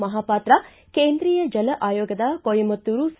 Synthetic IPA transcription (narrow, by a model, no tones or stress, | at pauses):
mɐɦaːpaːt̪ɾɐ | keːnd̪ɾiːjɐd͡ʒɐlɐʔaːjoːɡɐd̪ɐkojimɐt̪ːuɾus